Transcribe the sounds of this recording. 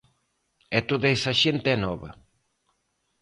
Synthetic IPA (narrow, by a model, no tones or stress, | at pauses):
ɛt̪oðɐɛsɐʃent̪eɛnɔβɐ̰